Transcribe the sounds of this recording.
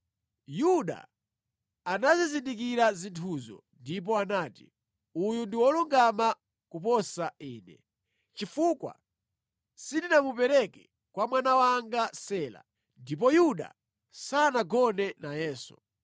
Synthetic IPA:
juɗa̰ | anazizindik̬iɾazintʰuzɔ̰ | ndip̬ɔanaːti | ujundiwɔluŋɡama | kupɔsaiːnɛ̰ | t͡ʃifukwa̰ | sindinamupɛɾɛkɛ | kwamwanawaŋɡasɛːla̰ | ndip̬ɔjuɗa̰ | sanaɡɔnɛnajɛːsu̥

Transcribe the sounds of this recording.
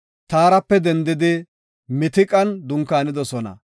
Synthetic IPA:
t̪aːɾɐpːɛd̪ɛnd̪ɪd̪ɪ | mɪt̪ɪkʼɐnd̪ʊŋkːaːnɪd̪ɔsɔnɐ̰

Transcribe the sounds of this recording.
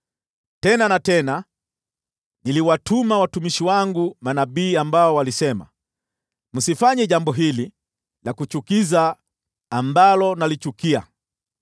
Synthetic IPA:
tɛnanatɛna | niliwatumawatumiʃiwaŋɡumanaɓiːambaɔwalisɛma̰ | musifaɲɛʄambɔɦili | lakut͡ʃukizaː | mbalɔnalit͡ʃukia̰

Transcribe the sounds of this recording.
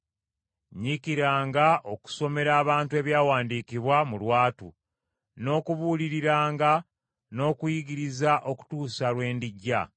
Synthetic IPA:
ɲikiɾaːŋɡaʔo̞ku̥so̞me̞ɾaːβaːntue̞βjaːwaːndiːkiβwamulwaːtṵ | no̞ːkuβuːliɾiɾaːŋɡa | no̞ːkujiɡiɾizaʔo̞ku̥tuːsalwe̞ːndiɟːa̰

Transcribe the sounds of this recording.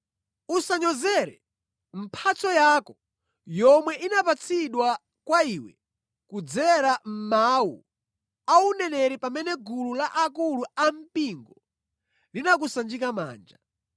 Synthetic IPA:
usaɲɔzɛɾɛ̰ | m̩pʰat͡sɔjaːkɔ | jɔmwɛʔinapat͡sʰiɗwa | kwaiwɛ̰ | kud͡zɛɾam̩mawṵ | aunɛnɛɾipamɛnɛɡululaʔak̬uluam̩piŋɡɔ | linak̬usand͡ʒikama̰ːnd͡ʒa

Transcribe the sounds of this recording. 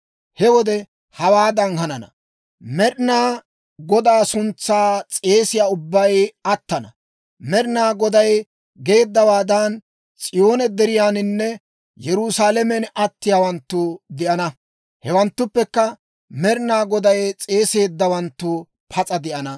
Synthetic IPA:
hɛwɔd̪ɛ | hɐwaːd̪ɐŋhɐnɐnɐ̰ | mɛɾɪnaː | ɡɔd̪aːsʊnt͡sːaːt͡sʼe̞ːsɪjaːʊbːɐjɐt̪ːɐnɐ̰ | mɛɾnaːɡɔd̪ɐj | ɡe̞ːd̪ːɐwaːd̪ɐn | t͡sʼɪjo̞ːnɛd̪ɛɾɪjaːnɪnːɛ | jɛɾʊsaːlɛmɛnɐt̪ːɪjaːwɐnt̪ːʊd̪ɪʔɐnɐ | hɛwɐnt̪ːʊpːɛkːɐ | mɛɾɪnaːɡɔd̪ɐjt͡sʼe̞ːse̞ːd̪ːɐwɐnt̪ːʊ | pʰɐt͡sʼɐd̪ɪʔɐnɐ

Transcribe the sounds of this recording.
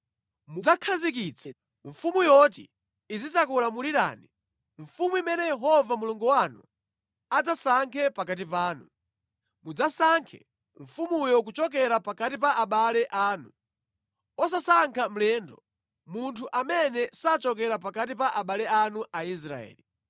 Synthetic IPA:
mud͡zakʰazik̬it͡sʰɛ̥ | ɱfumujɔt̬ḭː | zisakulamuliɾa̰ːni | ɱfumuimɛnɛjɛɦɔvamuluŋɡuwanṵ | ad͡zasaŋkʰɛpakat̬ipaːnu | mud͡zasaŋkʰɛ̰ | ɱ̩fumujɔk̬ut͡ʃɔk̬ɛɾapakatipaʔaɓalɛʔaːnu | ɔs̬asaŋkʰam̩lɛndɔ | muntʰuʔamɛnɛsat͡ʃɔkɛɾap̬akat̬ipaʔaɓalɛanuʔais̬ɾa̰ɛ̰ːli

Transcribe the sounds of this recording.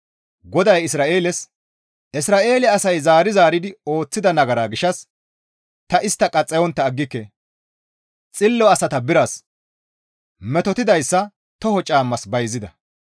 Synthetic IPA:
ɡɔd̪ɐjɪsɾaːʔe̞ːlɛs | ʔɪsɾaːʔe̞ːlɛɐsɐjzaːɾɪzaːɾɪd̪ɪo̞ːt͡sːɪd̪ɐnɐɡɐɾaːɡɪʃɐs | t̪ɐʔɪst̪ːɐkʼɐt͡sʼːɛjɔnt̪ːɐːɡːɪkːɛ | t͡sʼɪlːɔɐsɐt̪ɐbɪɾɐs | mɛt̪ɔt̪ɪd̪ɐjsːɐ | t̪ɔhɔt͡ʃʼaːmːɐsbɐjzːɪd̪ɐ

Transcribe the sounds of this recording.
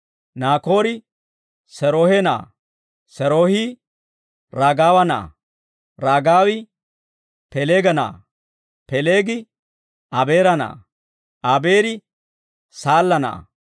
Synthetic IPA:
naːko̞ːɾɪ | sɛɾoːhɛna̰ː | sɛɾoːhi | ɾaːɡaːwɐna̰ː | ɾaːɡaːwɪ | pɛleːɡɐna̰ː | pɛleːɡɪ | ʔɐbeːɾɐna̰ː | ʔɐbeːɾɪ | saːlːɐna̰ː

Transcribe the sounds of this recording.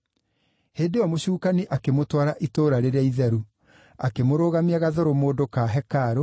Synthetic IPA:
heːndeɔmoɕuːkaniʔakemotwaɾaʔitoːɾaɾeɾeaiðɛɾu | akemoɾoːɣamiaɣaðoɾomoːdokaɦɛkaɾo

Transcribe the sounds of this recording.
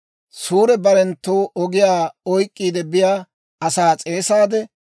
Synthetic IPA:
suːɾɛbɐɾɛnt̪ːoːʔɔɡɪjaːɔjkʼːiːd̪ɛbɪjaː | ɐsaːt͡sʼe̞ːsaːd̪ɛ

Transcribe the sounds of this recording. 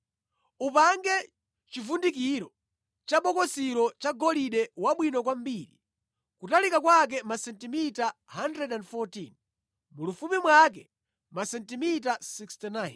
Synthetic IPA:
upaŋɡɛ | t͡ʃivundikiɾɔ | t͡ʃaɓɔkɔsiɾɔt͡ʃaɡɔliɗɛwaɓwinɔkwambiːɾḭ | kutalikakwak̬ɛmasɛntimitaɦandɾɛdandfɔtin | mulufumimwak̬ɛ | masɛntimitasikstinajn

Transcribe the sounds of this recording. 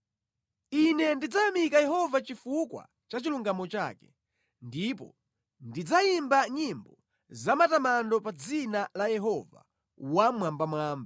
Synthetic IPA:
inɛndid͡zajamikajɛɦɔvat͡ʃifukwa̰ | t͡ʃat͡ʃiluŋɡamɔt͡ʃa̰ːkɛ | ndipɔ̰ | ndid͡zaimbaɲimbɔ | zamatamandɔpad͡zinalajɛɦɔva̰ | wamwambamwaːmba

